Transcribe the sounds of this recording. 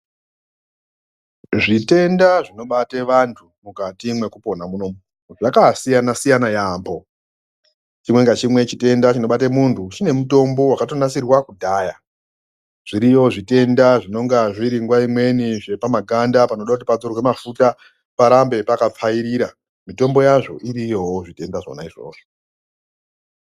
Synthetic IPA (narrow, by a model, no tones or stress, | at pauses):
ʐite̞ndaʐino̞ɓateʋantʰumukatimwe̞kupo̞namunom | ʐakasijanasijanajaːmbo̞ | t͡ʃimwe̞ŋɡat͡ʃimwe̞t͡ʃite̞ndat͡ʃino̞ɓatemuntʰut͡ʃine̞muto̞mbo̞wakato̞nasirwakudʱaːja | ʐ̥iɾijo̞ʐite̞ndaʐino̞ŋɡaʐiɾiŋɡwaimwe̞niʐe̞pamaɡʱandapano̞ɗakutipad͡zorwe̞mafuta | paɾambe̞pakap͡faiɾiɾa | mito̞mbo̞jaʐo̞̰ʔiɾijowoʐite̞ndaʐo̰na̰iʐo̞̰ːʐ̥o